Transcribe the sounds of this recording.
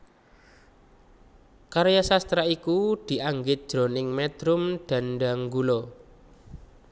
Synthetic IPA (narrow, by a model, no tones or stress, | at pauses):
kaɾjasast̪ɾaikud̪̥i̤ʔaŋɡɪt̪̚d̥ʒ̥ɾo̤nɪŋmɛd̪̥ɾʊmd̪̥a̤nɖaŋɡulo